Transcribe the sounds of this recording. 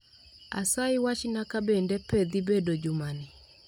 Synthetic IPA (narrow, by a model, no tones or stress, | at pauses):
a̰saiwaʃinakabɛndɛpɛðibɛdɔd͡ʒumani